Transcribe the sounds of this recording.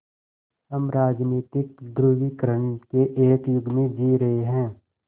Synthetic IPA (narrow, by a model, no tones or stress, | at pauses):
həmɾaːd͡ʒniːt̪ɪk̚d̪ɾuːɦikəɾəɳkeʔeːkjʊɡʱmẽd͡ʒiːɾɐɦeɦɛ̃ː